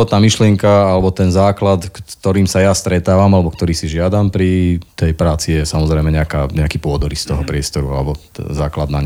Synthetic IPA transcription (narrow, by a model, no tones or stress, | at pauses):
ɔt̪naːmiʃlɪɛŋkaalɛbɔt̪ɛnzaːklat̪kt̪ɔɾiːmsajast̪ɾɛt̪aːʋamalɛbɔkt̪ɔɾiːsiʒɪad̪ampɾit̪ɛjpɾaːt͡sijɛsamɔzɾɛɪmɛɲɛakaɲɛakiːpʊɔd̪ɔɾist̪ɔɦɔpɾɪɛst̪ɔɾua̰lɛbɔɛzaːklad̪naɲ